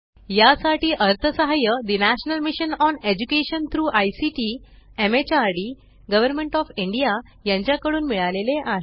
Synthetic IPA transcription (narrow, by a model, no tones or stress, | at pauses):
jasaʈiːʔəɾt̪ʰəsəɦajəd̪inæɕnəlmiɕənɔned͡ʑukeɕənt̪ʰɾuːʔajsiʈiː | emet͡ɕaɾɖi | ɡəʋəɾmẽɳʈɔfiɳɖija | jãɲt͡ɕjakəɽuːnmiɭaleleʔaɦe